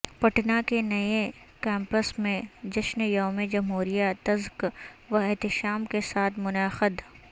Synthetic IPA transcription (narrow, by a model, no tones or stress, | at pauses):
pɐʈnakenɐe | kɛ̃ːmpəsmẽd͡ʒɐʃnjoːmed͡ʒɐmɦuːɾijat̪ɐzkʋɐɪɦt̪ɪʃaːmkesaːt̪ʰmʊnaːxɪd̪